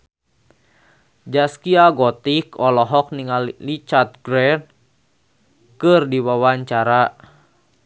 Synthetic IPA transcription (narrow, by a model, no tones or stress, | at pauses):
d͡ʒaskiaɡɔt̪ikɔlɔɦɔk̚niŋallit͡ʃart̪̚ɡɾɛn | kɨrdiwawaɲt͡ʃaɾa